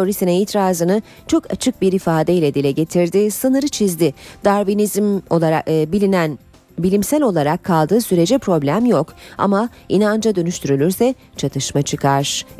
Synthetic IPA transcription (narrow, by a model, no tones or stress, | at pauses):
oɾisinɛiːt̪ʰɾaːzɯnɯ | t͡ʃʰo̞kʰa̰t͡ʃʰɯk̚biɾifaːd̪ejlʲɛd̪ilʲɛɟe̞t̪ʰiɾd̪ɪsɯnɯɾɯt͡ʃʰizd̪ɪd̪̥aɾvinizmolˠaɾabilʲinæn | bilʲimsælʲo̞lˠaɾakʰːalˠd̪ɯːsyɾe̞d͡ʒɛpɾo̞blʲæmjoka̰mainand͡ʒad̪ø̞nyʃt̪ʰyɾylʲyɾsɛ | t͡ʃʰat̪ʰɯʃmat͡ʃʰɯkʰaɾ̥